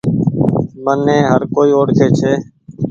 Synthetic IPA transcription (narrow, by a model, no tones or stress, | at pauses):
mənẽːɦəɾkoːiːoːɽkʰeːt͡ʃʰeː